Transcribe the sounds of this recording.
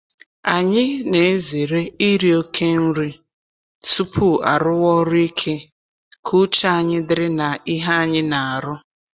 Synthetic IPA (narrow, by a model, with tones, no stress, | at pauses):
a˨ɲɪ˦ne˨e˦ze˨ɾe˦i˦ɾi˦o˦kʰe˦n̩˦ɾi˦ | tu˦pʰu˦a̰˨ɾʊ˦wɔ˦ɾʊ˦i˦kʰe˦ | kʰu˦t͡ʃa˦a˨ɲɪ˦dɪ˦ɾɪ˦na˨i˦ɦa˦a˦˨ɲɪ˦na˨a˨ɾʊ˦